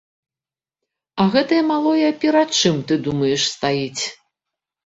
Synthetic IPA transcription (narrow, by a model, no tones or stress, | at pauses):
ɐɣɛt̪ɐjɐmalˠɔjɐpʲɛɾat̪̚t͡ʂɨmt̪ɨd̪umɐjɛʂst̪ajit͡sʲ